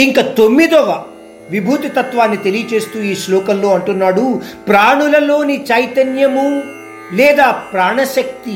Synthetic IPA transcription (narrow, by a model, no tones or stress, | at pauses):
iŋkɐt̪omːid̪ɔʋɐ | ʋibʱuːt̪it̪ɐt̪ʋaːnːit̪elijɐt͡ʃe̞ːst̪uːiːʃlɔːkɐllo̞ːɐɳʈunːaːɽupɾaːɳulɐloːnit͡ʃɐjt̪ɐnjɐmu | lɛːd̪aːpɾaːɳɐʃɐk̚t̪i